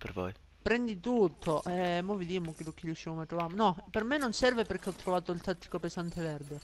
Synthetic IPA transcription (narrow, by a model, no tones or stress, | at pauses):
pḛɾvo̰j | pɾɛnd̪it̪ut̪ʰːoʔɛmovid̪imːokilːukːilut͡ʃːivomat̪ɾovamonɔpermenːonsɛrveperk̟eɔt̪ːɾovaːt̪oilt̪at̪ːi̥kopesant̪ʰevɛrd̪e